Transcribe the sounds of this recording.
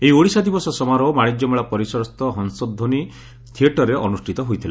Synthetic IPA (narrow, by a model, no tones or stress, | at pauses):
ejioɽisad̪ibɔsɔsɔmaɾɔmaɽ̃id͡ʒjɔmeɭapɔɾisɔɾɔst̪ɔɦɔnsɔd̪ʱoni | t̪ʰieʈɔɾeʔɔnusʈʰit̪ɔɦojt̪ʰila